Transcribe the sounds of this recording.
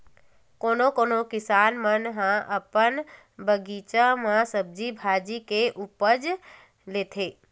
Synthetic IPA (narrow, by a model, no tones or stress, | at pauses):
koːnokoːnokɪsaːnmənɦãʔəpən | bəɡit͡ʃãmãsəb̚d͡ʒibʱaːd͡ʒikeʔupəd͡ʒ | leːt̪ʰeː